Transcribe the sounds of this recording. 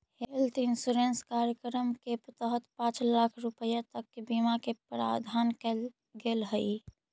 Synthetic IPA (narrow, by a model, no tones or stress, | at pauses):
helt̪insuɾenskaɾjəkɾəmkepət̪əɦət̪pãt͡ʃlakʰɾupəjat̪əkːebimakepɾa̰d̪ʱankɛl | ɡelɦəi